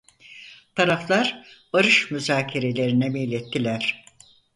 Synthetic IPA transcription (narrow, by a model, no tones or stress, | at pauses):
t̪ʰaɾaflˠaɾbaɾɯʃmyzaːcʰeɾe̞lʲe̞ɾinɛmijlʲɛt̪ːilʲæɾ̥